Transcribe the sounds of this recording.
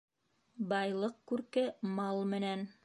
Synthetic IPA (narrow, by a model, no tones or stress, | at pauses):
bɑjlˠɤqkʉɾkɘmɑlˠmɘ̆næn